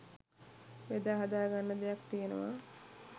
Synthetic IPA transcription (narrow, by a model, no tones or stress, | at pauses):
ʋed̪aːɦad̪aːɡanːəd̪ejakt̪ijənə̰ʋa̰